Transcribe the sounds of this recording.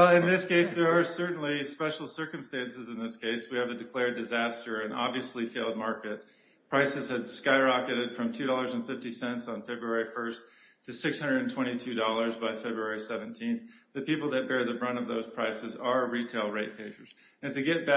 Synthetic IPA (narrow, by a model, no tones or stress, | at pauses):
ɛlˠɨ̃nðɪskeɪsðə˞ə˞sɜ˞ʔn̩lispɛʃl̩ˠsɜ˞kɨ̃mstæ̃nsɨzɨ̃nðɪskʰeɪswiɨvɨdɨkʰl̥ɛɹdɨzæstə˞ɨ̃nɑ̰bviɨslifeɪlˠd̚mɑɹkɨt̚ | pʰɹ̥aɪsɨz̥ɨd̥skaɪɹɑkɨɾɨd̥fɹʌ̃mtʰʉɾɔlˠə˞zɨ̃n̩fɪftisɛ̃ntsn̩fɛbɹuɛɹifɜ˞s | tʰɨsɪkshʌ̃ndɨɾn̩tʰw̥ɛ̃ɾ̃itʰʉdɔlˠə˞zbaɪfɛbɹuɛɹisɛvɨ̃n̩tʰĩnθ | ðɨpipl̩ˠðɨt̚b̥ɛɹðɨɹʌ̃ñʌvðoʊz̥pʰɹ̥aɪsɨzə˞ɹitʰeɪlˠɹeɪt̚pʰeɪʒə˞z̥ | ɨ̃ntɨɡɛt̚b̥æ